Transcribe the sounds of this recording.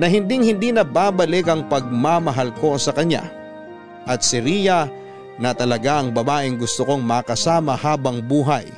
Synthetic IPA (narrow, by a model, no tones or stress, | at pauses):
nɐɦɪnd̪ɪŋhɪnd̪inɐbaːbɐlɪkɐŋpɐɡ̚mamɐɦalko̞sɐkɐɲa̰ | ʔɐt̪̚sɪɾiːjɐ | nɐt̪ɐlɐɡaʔɐŋbɐbaːʔɪŋɡʊst̪ʊko̞ŋmɐkɐsaːmɐhaːbɐŋbuːɦɐj